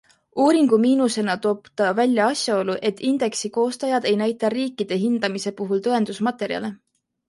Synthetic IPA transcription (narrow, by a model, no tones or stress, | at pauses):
uːɾiŋɡ̥umiːnuse̞nɑt̪oːbt̪ɑvælʲjɑɑsʲjɑo̞lːuʔe̞t̪ʰːˑind̪̥e̞ksiko̞ːst̪ɑjɑd̪e̞jnæjt̪ːˑɑriːkːˑid̪̥e̞ɦind̪̥ɑmise̞puɦult̪ɤe̞nd̪̥usmɑt̪ːˑe̞ɾjɑ̰le̞